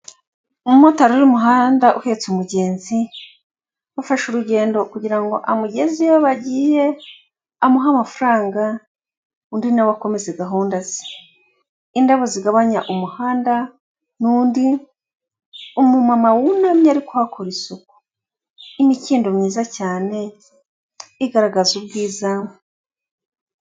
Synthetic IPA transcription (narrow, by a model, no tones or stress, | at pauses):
umumotaɾuɾimuɦaːndaʔuhe̞ːt͡sumuɟe̞ːnzi | wafaʃuɾuɟe̞ːndo̞kuɟiɾaŋɡo̞̰ʔamuɟezijaβaɟiːje̞ | amuɦamafuɾaːŋɡa | uːndinawako̞me̞zeɡaɦuːndaz̥e̥ | indaβoziɡaβaɲaʔumuhaːnda | nuːndi | umumamawunamiaɾikuhakʰoɾisuku̥ | imiciːndomɲiːzacaːne̞ | iɡaɾaɡazubɡiːzam